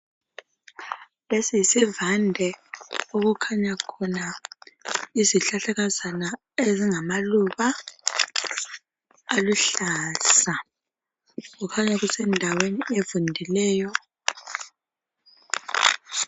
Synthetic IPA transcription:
lesijisivandʱɛoɣukʰaɲakʰɔna | iziɬaɬɛɣazana | eziŋamaluβa | luɬasa | ɣukʰaɲaɣusɛndʱawenievundʱilɛːjɔ

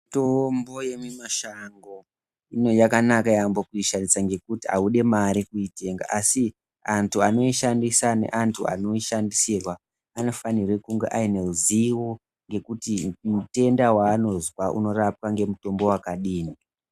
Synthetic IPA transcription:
tombo̞je̞mimaʃaŋɡo̞ | ino̞jakanakajambokuiʃandisaŋɡe̞kutia̰uɗe̞maɾikuite̞ŋɡa̰ʔasi | antʰuano̞iʃandisane̞̰ʔantʰua̰no̞iʃandisirwa | ano̞fanirwekuŋɡeʔaineluziwo̞ | ŋɡe̞kutimute̞ndawaːno̞zwaʔṵno̞rap̚kaŋɡe̞muto̞mbo̞wakaɗiːni

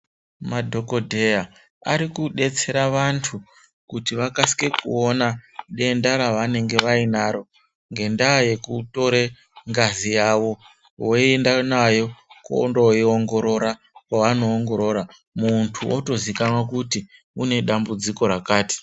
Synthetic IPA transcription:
madʱo̞ko̞dʱe̞ja | aɾikuɗe̞t͡se̞ɾaʋantʰu | kutiʋakasi̥ke̞kṵo̞naɗe̞ndaɾaʋane̞ŋɡe̞ʋainaɾo̞ | ŋɡe̞ndaje̞kuto̞ɾe | ŋɡazijaʋo̞ | woiendanajo̞ko̰ndoioŋɡo̞ɾo̞ɾa | kwaano̞ːŋɡo̞ɾo̞ɾa | muntʰuoto̞zikanwakuti | une̞ɗambud͡ziko̞ɾakaːti̥

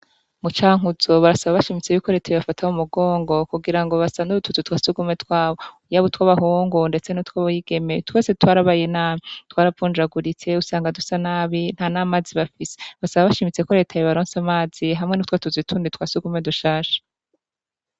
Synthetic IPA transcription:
mut͡ʃaːŋ̥uzo̞βaɾasaβaβaʃimit͡se̞jukoɾe̞ːtajiβafatʰaumuɡo̞ːŋɡo̞kuɡiɾaŋɡo̞βasaβanuɾutut͡sutwaːsuɡume̞twaːβo | jaβotwaβaɦuːŋɡunde̞t͡se̞nutwaβajiɡ̥e̞metwe̞ːsetwaːɾaβajenaːmitwaːɾavvuːnd͡ʒaɡuɾit͡se̞usaːŋɡadusanaːβin̥hanaːmaːziβafise̥βasaβaβaʃiːmit͡se̞ko̞ɾe̞ːtʰajoβaɾoːnsamaːz̥iɦamŋe̞nutwatuzitʰuːnditwaːsuɡume̞duʃaːʃḁ

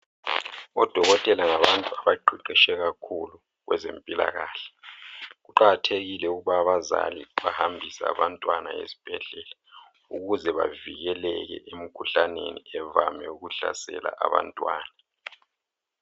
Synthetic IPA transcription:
ɔd̥ʱɔɣɔtʼɛlaŋaβantʼuaβaǃʱiǃiʃɛɣakʰulu | ɣwɛ̰zempʼila̰ɣaːɬɛ̥ɣuǃaɣatʰeɣilɛuɣuβaːβaza̰lḭβahambʱisa̰ːβantʼwana̰ḛzi̥b̥ʱɛɮɛla | uɣuzɛβaviɣɛlɛɣɛ̰ʔem̩kʰuɬanḛniɛvamɛuɣuɬa̰sɛ̰la̰ʔaβa̰ntʼwaːna

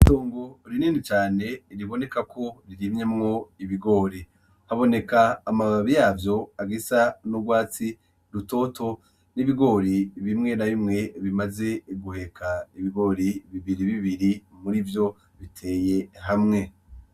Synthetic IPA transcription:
ito̞ːŋɡo̞ɾiniːnit͡ʃaːne̞ɾiβo̞ne̞kakʰo̞ɾiɾimɲe̞mŋo̞iβiɡo̞ːɾi | haβo̞ne̞kaːmaβaβijaːvjo̞aɡisanuɡwaːt͡si | ɾuto̞ːtʰo̞ | niβiɡo̞ːɾiβimŋe̞naβimŋe̞βimaze̞ɡuhe̞kʰaiβiɡo̞ːɾiβiβiɾiβiβiɾimuɾivjo̞ | βitʰe̞ːje̞ɦamŋe̞

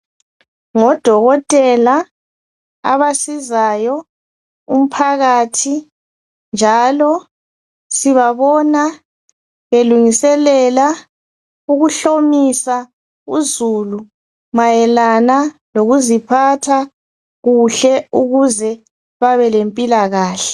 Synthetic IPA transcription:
ŋɔd̥ʱɔɣɔtʼɛla | a̰βasizajɔ | um̩pʰaɣatʰi | nd͡ʒʱalɔ | siβaβɔna | βeluŋisɛlɛla | uɣuɬomisa | ṵzulu | majɛlanaloɣuzipʰatʰa | ɣuɬɛuɣuzɛ | βaβɛlempʼilaɣaːɬɛ

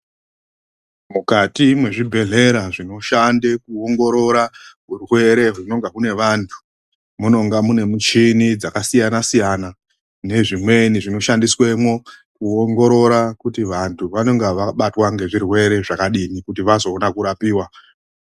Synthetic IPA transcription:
mukatimwe̞ʐibʱe̞ɮe̞ɾaʐino̞ʃandekuoŋɡo̞ɾo̞ɾaɦurwe̞ɾe̞ɦuno̞ŋɡakune̞ʋantʰu̥ | muno̞ŋɡamune̞mut͡ʃinid͡zakasijanasijana | ne̞ʐimwe̞niʐino̞ʃandiswe̞mwo̞kuoŋɡo̞ɾo̞ɾakutiʋantʰuʋano̞ŋɡaʋaɓatwaŋɡe̞ʐirwe̞ɾe̞ʐakaɗinikutiʋazo̞ːnakuɾapiːwa

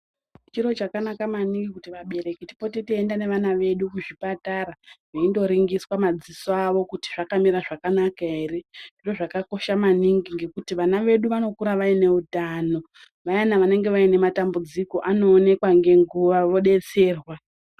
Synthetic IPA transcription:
t͡ʃiɾo̞t͡ʃakanakamaniŋɡikutiʋaɓe̞ɾe̞kiti̥po̞titiendane̞ʋanaʋe̞ɗukuʐipataɾaʋaindo̞ɾiŋɡiswamad͡zisoaʋo̞kuti̥ʐakamiɾaʐakanakaerendiro̞ʐakako̞ʃamaniŋɡiŋɡe̞kutiʋanaʋe̞ɗuʋano̞kuɾaʋaine̞utano̞ | ʋajanaʋane̞ŋɡe̞ʋaine̞matambud͡ziko̞ʔano̞ːne̞kwaŋɡe̞ŋɡuʋaʋo̞ɗe̞t͡se̞ːrwa

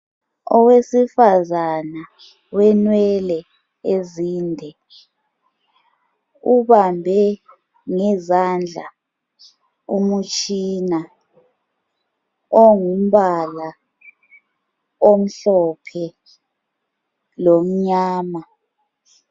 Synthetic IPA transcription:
ɔwesifazana | wɛnwɛlɛ | eziːndʱɛ | uβambʱɛ | ŋɛzand͡ɮʱa̰ | umut͡ʃʼina | ɔŋum̩βala | om̩ɬɔpʰɛ | lom̩ɲaːma

